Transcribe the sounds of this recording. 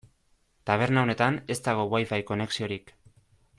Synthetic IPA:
t̪aβ̞e̞ɾnao̞ne̞t̪ane̞st̪aɣ̞o̞wajfajko̞ne̞ksio̞ɾik

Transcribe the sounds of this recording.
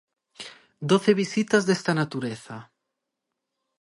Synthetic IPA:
d̪oθeβ̞isit̪azðest̪anat̪uɾeθa

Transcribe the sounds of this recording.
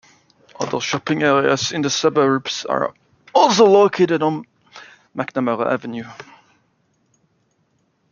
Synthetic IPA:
ʔʌ̰ðəʃɒpɪ̃ŋɛːɹiə̰zɪ̃nðəsʌbəɹbsə̰ɹ | ɔˑlˠsoʊloʊkʰeɪɾɪdn̩ | maknəməʁə̰ʔa̰vənjʉ

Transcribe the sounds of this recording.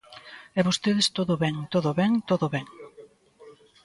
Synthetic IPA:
ɛβost̪eðest̪oðoβɛŋt̪oðoβɛŋt̪oðoβɛŋ

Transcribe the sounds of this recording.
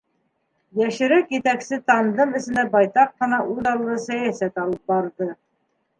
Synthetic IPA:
jæʃɘ̆ɾɘkjɘt̪æksɘt̪ɑnd̪ɤmɘ̆sɘ̆nd̪æbɑjt̪ɑqːɤ̆nɑʔʉðɑlˠːɤsæjæsæt̪ɑlˠɤp̚bɑɾd̪ɤ

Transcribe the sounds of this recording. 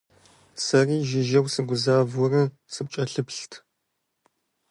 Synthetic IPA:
sɐriːʒɪʒɐwsɨɡʷʊzaːvɔrɐ | sɨp̚t͡ʃʼɐɬɨpɬtʰ

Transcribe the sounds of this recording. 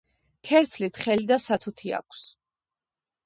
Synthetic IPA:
kʰɛɾt̪sʰlit̪ʰχɛlid̪asat̪ʰut̪ʰia̰kʷʰs

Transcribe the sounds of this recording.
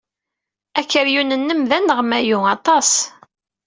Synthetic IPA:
ækːəɾjunənːəmðænːəʁmæjuɑt̪ˤɑs

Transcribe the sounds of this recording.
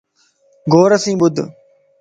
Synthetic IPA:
ɡʱoːɾəsĩːɓʊd̪ʱ

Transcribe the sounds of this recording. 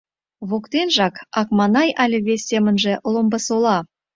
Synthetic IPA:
βokt̪enʒɑkɑkmɑnɑjʔælʲeβesʲːemə̆nʒĕʔlˠombəsolˠɑ

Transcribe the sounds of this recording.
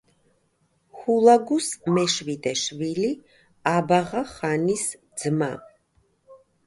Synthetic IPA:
hulˠaɡusmɛʃvid̪ɛʃvili | abaʁaχanisd̪z̥ma

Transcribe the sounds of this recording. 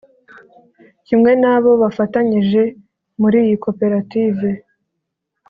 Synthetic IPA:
cimŋe̞naβo̞βafataɲiʒe̞ | muɾiːjiko̞pe̞ɾatiːve̞

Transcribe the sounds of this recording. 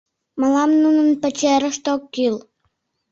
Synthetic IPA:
mɑlɑmnunə̆npə̆t͡ɕeɾə̆ʃt̪okːil

